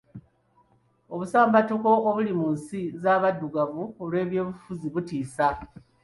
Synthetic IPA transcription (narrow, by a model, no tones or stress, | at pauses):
o̞βusaːmbatuko̞oβulimunsizaːβadːuɡavuolwe̞ːβjo̞ːβufuziβutiːsa